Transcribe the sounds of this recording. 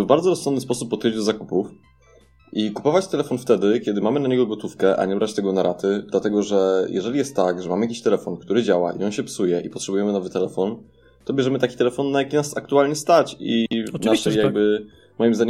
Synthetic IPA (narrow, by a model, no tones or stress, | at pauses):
vbaɾd̪zɔɾɔsɔnd̪nɨspɔsupːɔt̪ʲed͡ʑd̪ɔzakupuf | ʔikupɔvat͡ɕt̪ɛlɛfɔnft̪ɛd̪ɘkʲɛd̪ɘmamɘnaɲɛɡɔɡɔt̪ufkɛʔa̰ɲɛbɾat͡ɕt̪ɛɡɔnaɾʔat̪ɘd̪̥lat̪ɛɡɔʐɛjɛ̰ʐɛlʲijɛst̪ːaɡʐɛmamɘjakʲiɕt̪ɛlɛfɔnkt̪uɾɘd͡ʑawa̰ʔḭɔnɕɛpsujɛʔipɔtʂɛbujɛmɘnɔvɘt̪ɛlɛfɔn | t̪ɔbʲjɛʐɛmɘt̪akʲi̥t̪ɛlɛfɔnːajakʲinasak̚t̪ualɲɛst̪at͡ɕinaʂɛjaɡ̚bɘ | mɔjimzd̪aɲɛ